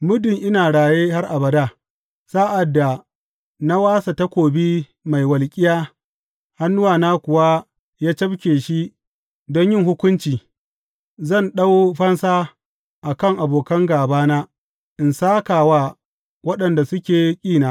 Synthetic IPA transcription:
mʊ˦dʊ˨ŋʔɪ˦naː˨ɽaː˨jeː˦ha˦rʔa˨bɐ˨daː˦˨ | sa˦ʔa˨dːa˨ | na˦waː˦sa˨ta˦kʷoː˨bi˦ | ma˨jwɐ˨lkʲʼɪ˦jaː˦ | ha˦nːʊ˦waː˨naː˦kʷʊ˨wa˦ | jaː˦t͡ʃɐ˦bkʲeː˨ʃi˦ | dɔ˦ɲjɪ˦ŋhʊ˦kʷʊ˦nt͡ʃiː˨ | zɐ˦˨nɗa˦wɸɐ˦nsaː˦ | ʔa˨kɐ˦˨ŋʔa˨boː˨kɐ˦ŋɡaː˨baː˦naː˦ | ʔɪ˨nsaː˦kaː˨waː˦ | wɐ˦ɗɐ˨nda˨sʊ˦kʲeː˨kʲʼiː˦˨naː˦

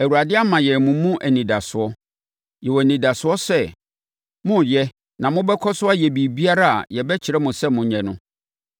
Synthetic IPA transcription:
æ˨wu˨ɾa˨dɪ˦a˦mã˨jɛ˨mũ˨˦mũ˦ʔæ˨nĩ˨da˨sʊ˨ɔ˦ | jɛ˨wɔ˨nĩ˨da˨sʊ˨ɔ˦sɛ˦ | mʊ̃˦jɛ˦ | nã˨mʊ̃˦bɛ˦kʰɔ˦sʊ˦a˦jɛ˨bi˨bi˦a˦ɾa˦a̰˨jɛ˨bɛ˦t͡ɕʰɪ˨ɾɛ˦mʊ̃˨sɛ˦mʊ̃˨ɲɛ̃˨nʊ̰̃˦

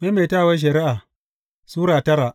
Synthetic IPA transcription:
me˦me˨ta˦˨wa˦ʃ̬ɐ˨ɾi˦ʔa˨ | suː˦ɾaː˨tɐ˦ɾa˨

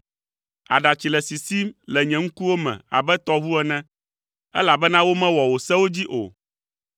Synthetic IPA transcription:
a̰˨ɖa˨t͡ɕi˨lɛ˨si˨si˦lɛ˨ɲɛ̃˨ŋ̩˦ku˦wo˦mɛ̰̃˨a̰˨bɛ˦t̪ɔ˦βu˦ɛ˦nɛ̃˦ | ɛ̰˦la˨bɛ˦nã˦wo˦mɛ̃˦wɔ˨wo˨sɛ˦wo˦d͡ʑi˦ʔo̰˨

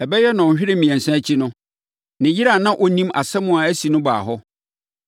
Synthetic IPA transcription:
ɛ˨bɛ˦jɛ˦nã˨ɕᶣɪ˦ɾɪ˦mĩ˨ɛ̃˨n˨sã˦t͡ɕʰi˦nʊ̃˦ | nɪ̃˨ji˦ɾa˦˨nã˦ʔɔ˦nĩ˦ma˨sɛ˦mʊ̃˦a˨æ˦si˨nʊ̃˦ba̰ː˨ɦɔ˦

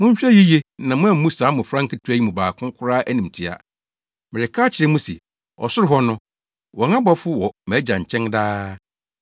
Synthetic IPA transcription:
mʊ̃˦ɲ̩˦ɕᶣɛ˦ji˦je˦nã˨mʊ̃˦æ˨˦mũ˦saː˨˦mʊ̃˨fɾã˦ŋ˦kʰɪ˦tʰu˦æ˦i˦mʊ̃˨baː˨kʰʊ̃˦kʰʊ˦ɾaː˦ʔæ˦nĩ˨m˨tʰi˦a̰˨ | mɪ̃˨ɾɪ˨kʰaː˦t͡ɕʰɪ˨ɾɛ˦mũ˦sɛ̰˨ | ɔ̰˨sʊ˦ɾɪ˦ɦɔ˦nʊ̃˦ | wɔ̃˨ŋã˦ba˦fʊ˦wɔ˨mɛ˨˦d͡ʑã˨ɲ̩˨t͡ɕʰɛ̃˦ŋdaː˦

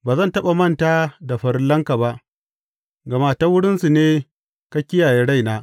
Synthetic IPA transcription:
baː˨zɐ˦ntɐ˦ɓa˨mɐ˦˨ntaː˦da˨ɸɐ˨rlɐ˦ŋka˨ba˦ʔ | ɡɐ˨ma˦˨ta˦wʊ˦ɽɪ˦nsu˨neː˦ | ka˦kʲɪ˦jaː˨jeː˦ɽa˦˨jnaː˦

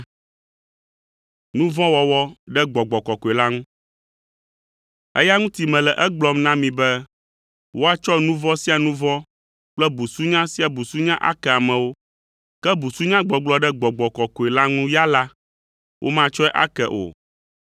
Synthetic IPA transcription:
nũ˦vɔ̃˦wɔ˨wɔ˦ɖɛ˦ɡ͡bɔ˨ɡ͡bɔ˨kɔ˨kɔ˨e˨la˦ŋũ˦ | ɛ̰˦ja˦ŋũ˦t̪i˨mɛ̃˨lɛ˨ʔɛ˦ɡ͡blɔ˦mnã˦mĩ˨bɛ˦ | wo˦a˦t͡ʃɔ˦nũ˦vɔ̃˦si˦a˨nũ˦vɔ̃˦ | k͡plɛ˦bu˨su˦ɲã˦si˦a˨bu˨su˦ɲã˦ʔa̰˦kɛ˨a˨mɛ̃˨wo˦ | kɛ˦bu˨su˦ɲã˦ɡ͡bɔ˨ɡ͡blɔ˦ɖɛ˦ɡ͡bɔ˨ɡ͡bɔ˨kɔ˨kɔ˨ɛ˨la˦ŋũ˦ja˦la˦ | wʔo̰˦mã˦t͡ʃɔ˦ɛ˦ʔa̰˦kɛ˨ʔo̰˨

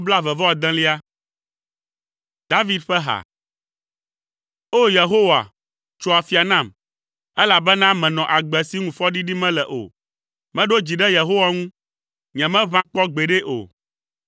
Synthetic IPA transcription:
bla˦vɛ˨vɔ˦a˨d̪ã˦li˦a˦ | d̪a˦vi˦d̪ɸɛ˦ɦa̰˨ | o˦je˨ɦo˦wa̰˨ | t͡ʃo˨a˨fi˨a˨nã˦˨m | ɛ˦la˨bɛ˦nã˦mɛ̃˨nɔ̃˨ʔa˨ɡ͡bɛ˨si˦ŋũ˨fɔ˦ɖi˦ɖi˦mɛ̃˦lɛ˨ʔo̰˨ | mɛ̃˦ɖo˦d͡ʑi˨ɖɛ˦je˨ɦo˦wa˦ŋũ˦ | ɲɛ̃˨mɛ̃˦vã˦k͡pɔ˦ɡ͡bɛ˨ɖɛ˦ʔo̰˨

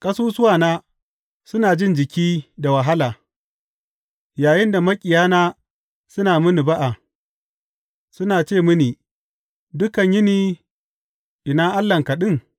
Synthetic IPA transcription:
kʼɐ˦suː˦sʊ˦waː˨naː˦ | sʊ˦naː˨d͡ʒɪ˦nd͡ʒɪ˨kʲiː˦da˨wɐ˨ɦa˦laː˨ | jaː˨jɪ˦nda˨mɐ˦kʲʼɪ˨jaː˦naː˦ | sʊ˦naː˨mʊ˦ni˨ba˦ʔa˨ | sʊ˦naː˨t͡ʃeː˦˨mʊ˦niː˨ | dʊ˦kɐ˨ɲjɪ˦niː˨ | ʔɪ˨naː˦ʔa˦lːɐ˨ŋkɐ˨ɗɪ˦ŋ

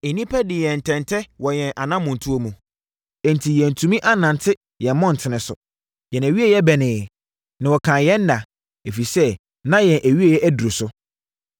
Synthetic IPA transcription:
e˨nĩ˦pʰɛ˦dɪ˨jɛ̃˨n̩˨tʰɛ̃˨ntʰɛ˦wɔ˨jɛ̃˨nʔa˨nã˦mʊ̃˨n˨tʰu˦o˦mũ˨ | ɛ˨n˨tʰi˨jɛ̃˨n̩˨tʰũ˨mĩ˦ʔa˦nã˨n˨tʰɪ˦ | jɛ̃˨m˦mɔ̃˦n̩˨tʰɪ˨nɪ̃˨sʊ̰˨ | jɛ̃˨næ˨ɥi˦a˨jɛ˦bɛ˨nɪ̃˨ | nã˨wɔ˨kʰã˨jɛ̃˦nː˦ã˨ | e˨fi˨sɛ˦ | nã˦jɛ̃˨nʔæ˨ɥi˦a˨jɛ˦ʔæ˦du˨ɾo˨sʊ˦

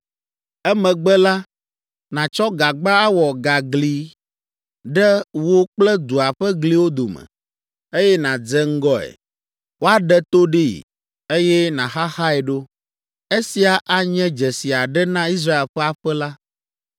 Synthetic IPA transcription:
ɛ˦mɛ̃˨ɡ͡bɛ˦la˦ | nã˨t͡ʃɔ˦ɡa˨ɡ͡ba˦a˦wɔ˨ɡa˨ɡli˨ | ɖɛ˦wo˦k͡plɛ˦d̪u˨a˨ɸɛ˦ɡli˦wo˦d̪o˨mɛ̰̃˨ | e˦jɛ˦nã˨d͡zɛ˦ŋ̩˦ɡɔ˦ɛ̰˨ | wo˦a˦ɖɛ˦t̪o˦ɖe˦ḭ˨ | e˦jɛ˦nã˨ɦa˦xa˦ɛ˨ɖo˦ | e˦si˨a˨ʔa˨ɲɛ̃˦d͡ʒɛ˨si˨a˨ɖɛ˦nã˦i˦s̬ɾa˦e˨lɸɛ˦a˨ɸɛ˦la˦

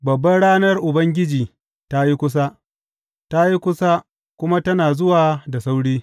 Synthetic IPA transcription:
bɐ˨bːɐ˦nɽaː˦nɐ˦rʔʊ˨bɐ˦ŋɡʲɪ˦d͡ʒiː˨ | ta˦ji˦kʷʊ˦s̬a˦ | ta˦ji˦kʷʊ˦sa˦ | kʷʊ˦ma˦tɐ˦naː˨zʊ˦waː˨da˨sa˦wɽiː˦

